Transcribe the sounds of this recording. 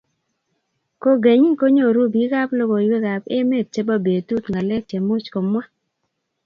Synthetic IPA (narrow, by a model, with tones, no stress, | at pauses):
ko˦ɡe˨ɲi˦ŋ˦ko˦ɲo˦˨ɾu˦bi˨˦ɡa˦plo˦ɡo˨we˦ɡa˨pe˦me˦˨t̚t͡ʃe˦ba˦be˨tu˦t̪ŋa˨le˦t͡ʃe˨mu˦t͡ʃko˨mwa˦